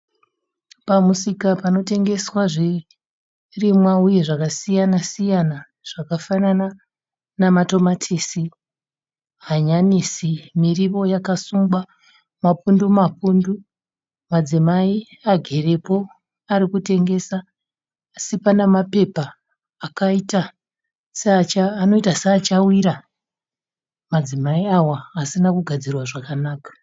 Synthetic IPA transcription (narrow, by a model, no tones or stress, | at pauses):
pamusikapano̞te̞ŋɡe̞swaʐi | rimwauje̞ʐakasijanasijana | ʐ̥akafanana | namato̞matʰisi | ɦaɲanisimiriʋo̞jakasumɡwa | mapundumapundu | mad͡zimai | aɡʱe̞re̞po̞ | aɾikute̞ŋɡe̞saː | sipanamape̞paː | kaita | seat͡ʃaːno̞itaseat͡ʃawiɾa | mad͡zimaiawaːsinakuɡʱad͡zirwaʐakanaːkḁ